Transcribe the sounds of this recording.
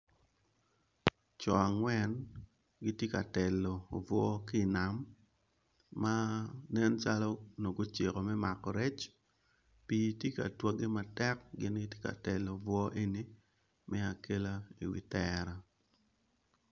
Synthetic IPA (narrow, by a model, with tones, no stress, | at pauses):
t͡ʃɔ˨a˨ŋwɛ˦n | ɡi˦tje˦ka˨tɛ˨lːɔ˨o˨vwɔ˦kɪː˦˨na˨m | a˦nɛ˦nt͡ʃa˦lɔ˦no˨ɡo˦t͡ʃe˨kɔ˨mɛ˦ma˨kɔ˨ɾɛ˦t͡ʃ | pi˦tje˦ka̰˨twa˦ɡɪ˦ma˨tɛ˦kɡɪ˦nɡɪ˦tje̥˦ka̰˨tɛ˨lo˨vwɔ˦ʔe˦ni˦ | mɛ˦a˨ke˦la˦ḭ˨wḭ˨tɛɾa˦